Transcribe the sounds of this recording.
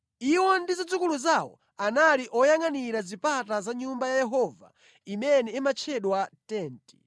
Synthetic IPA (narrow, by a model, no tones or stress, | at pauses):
iwɔndizad͡zukuluzawɔ̰ | analiʔɔjaŋaniɾazipatazaɲumbajajɛɦɔva̰ | imɛnɛimat͡ʃʰɛɗwatɛːnti̥